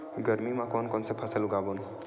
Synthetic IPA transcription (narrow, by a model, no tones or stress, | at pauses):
ɡʌɾmimakɔnkɔnsepʰaseluɡabɔn